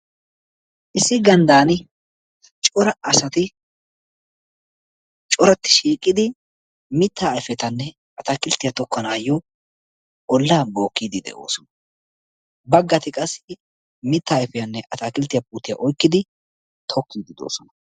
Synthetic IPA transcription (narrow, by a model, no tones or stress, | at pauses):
ʔɪsːɪɡɐnd̪aːnɪ | t͡ʃʼɔɾɐɐsɐt̪ɪ | t͡ʃʼɔɾɐt̪ːɪ̥ʃiːkʼːɪd̪ɪ | mɪt̪ːaːjfɛt̪ɐnːɛ | ɐt̪aːkɪlt̪ɪjɐt̪ɔkːɐnaːjːɔ | ɔlːaːbo̞ːkːiːd̪ɪd̪ɛ̰ʔo̞̰ːsɔ̥nɐ̥ | bɐɡːɐt̪ɪkʼɐsːɪ | mɪt̪ːaːɛfɛjɐnːɛʔɐt̪akɪlt̪ːɪjɐpʼuːt̪ːɪjɐ̰ʔɔjkːɪd̪ɪ | t̪ʰɔkːiːd̪ɪd̪o̰ːsɔnɐ